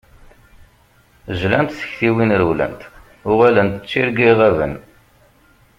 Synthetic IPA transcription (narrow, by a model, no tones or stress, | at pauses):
ʒlænt̪sə̥çθiwinɾwlə̰nt̪ | ʊʁælənt̪ət͡sːiɾɡiʁævə̰n